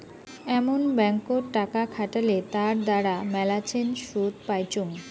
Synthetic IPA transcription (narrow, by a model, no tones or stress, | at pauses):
ɛmonbɛŋkoɾʈakakʰaʈalet̪aɾd̪aɾamɛlat͡ɕʰenʃud̪pajt͡ɕoŋ